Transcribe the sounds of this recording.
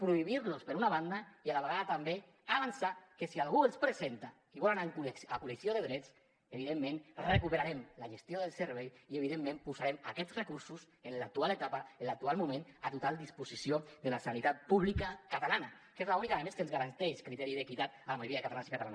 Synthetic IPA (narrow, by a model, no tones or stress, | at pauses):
pɾuiβ̞iɾlospeɾunaβand̪aialaβ̞eɣaðat̪ambe | aβ̞ansakesialɣuelˠspɾezent̪a | iβɔlanakulesakuleksioðeðɾɛt͡s | eβiðemːẽnrekupeɾaɾemlaʒest̪joðelˠseɾβɛjieβ̞iðemːẽmpuzaɾemakɛtzrekuɾsus | enlak̚t̪ualet̪apaenlak̚t̪ualmumẽnat̪ut̪ald̪ispusisiod̪elasanit̪at̪̚puβlikakat̪alana | kezlaunikaðemeskənzɣaɾant̪ɛʃkɾit̪ɛɾiðekit̪at̪alamajuɾiaðekat̪alansikat̪ala̰n